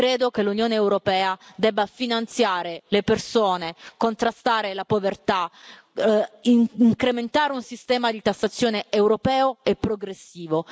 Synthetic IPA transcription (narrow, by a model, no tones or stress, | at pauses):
kɾeːd̪okelːunjoːneːwɾopɛːad̪ɛbːafinant̪sjaːɾelepersoːnekont̪ɾast̪aːɾelapovert̪a | iŋkɾement̪aːɾeunsist̪ɛːmad̪it̪asːat̪sːjoːneewɾopɛːoepːɾoɡɾesːiːvo